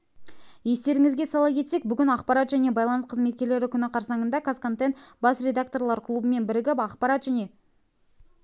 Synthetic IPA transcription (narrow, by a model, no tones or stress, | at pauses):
je̞st̪e̞ɾɪŋɪzɡʲe̞sɑlˠɑkʲe̞t̪se̞k̚bʏɡʲɪnɑqpɑɾɑt̪ʒæne̞bɑjlˠɑnəsqʰəzme̞t̪̚kʲe̞ɾle̞ɾɪkʲʏnɪqʰɑɾsɑɴənd̪ɑkʰaskant̪ent̪bɑsrʲe̞d̪ak̚t̪o̞rlˠɑɾkʰlˠubəme̞nbɪɾɪɡʲɪpɑqpɑɾɑt̪ʒæne̞